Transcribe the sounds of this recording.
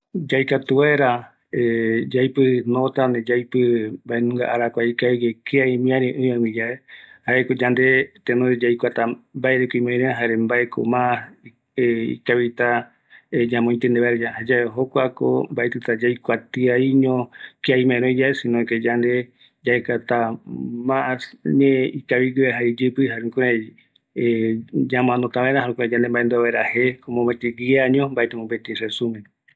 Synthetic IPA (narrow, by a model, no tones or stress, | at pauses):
d͡ʒajkat̪ueɾa | ed͡ʒajpɨnõt̪aned͡ʒajpɨmbaenũŋɡa̰ʔaɾakʷaikaiɡekʰeaimĩãɾẽʔõãwĩd͡ʒaehaekod͡ʒand̪et̪enoɾed͡ʒajkʷat̪ambaeɾekoĩmãɾẽaɦaɾembaekʰo̰mã | ḭkaβit̪a | ed͡ʒãmõĩt̪end̪eβaeɾd͡ʒahad͡ʒaeɦokʷako̰mbaʔet̪ɨt̪ad͡ʒajkʷat̪iaiɲõkiajmãẽɾõid͡ʒaesĩnõked͡ʒand̪e | d͡ʒaekat̪amaʔasɲeikaβiɡɨeɦaid͡ʒɨpɨɦaɾekoɾe | ɲãm̃ãnot̪aβaeɾahaɾõkued͡ʒand̪embaʔend̪uaβaeɾahekomõmbet̪iɡiaɲõmbaʔet̪emõmbet̪iresumẽ